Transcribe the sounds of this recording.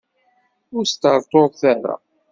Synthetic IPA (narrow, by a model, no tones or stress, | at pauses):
ʊɾst̪əɾˤt̪ˤoðˤθaɾa̰